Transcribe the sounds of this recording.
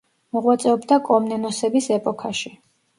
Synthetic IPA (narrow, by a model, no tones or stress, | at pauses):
mɔʁwat̪sʼɛɔbd̪akʼɔmnɛnɔsɛbisɛpʼɔkʰaʃi